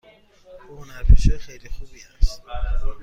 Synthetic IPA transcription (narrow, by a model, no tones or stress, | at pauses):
ʔuhonæɾpiʃɔːjexejlixuːbiːæst̪